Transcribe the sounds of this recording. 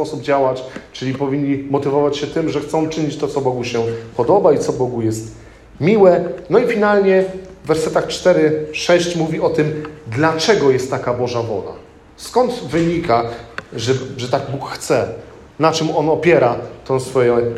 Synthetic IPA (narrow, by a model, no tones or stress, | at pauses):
pɔsub̚d͡ʑawat͡ɕt͡ʂɘlʲipɔvʲiɲːimɔt̪ɘvɔvat͡ɕɕɛt̪ɘmʐɛxt̪sɔ̃w̃t͡ʂɘɲit͡ɕt̪ɔt̪sɔbɔɡuɕɛpɔd̪ɔbait̪sɔbɔɡujɛst̪ | mʲiwɛnɔifʲinalɲɛvːɛɾsɛt̪axt͡ʂt̪ɛɾɘʂɛɕt͡ɕmuvʲiɔt̪ɘmd̪lat͡ʂɛɡɔjɛst̪ːakabɔʐavɔ̰la̰ | skɔnd̪vɘɲikaʐɛʐɛt̪aɡbukxt̪sɛ | nat͡ʂɛmɔnɔpʲjɛɾat̪ɛ̃w̃sfɔjɛ̃